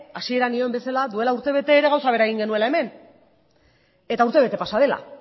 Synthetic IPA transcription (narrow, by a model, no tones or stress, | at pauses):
asie̞ɾanio̞mbe̞salaðue̞lauɾt̪e̞β̞e̞t̪e̞ːɾe̞ɣawsaβ̞e̞ɾaeɣiŋɡe̞nue̞lae̞me̞n | e̞t̪auɾt̪eβ̞e̞t̪e̞pasað̞e̞la̰